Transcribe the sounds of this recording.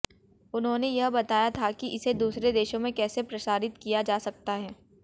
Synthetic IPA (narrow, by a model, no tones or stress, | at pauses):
ʊnɦõnejɐɦbɐt̪aːjat̪ʰakiʔɪsed̪uːsɾed̪eːʃõmẽkɛːsepɾɐsaːɾɪt̪kijad͡ʒaːsɐk̚t̪aɦɛː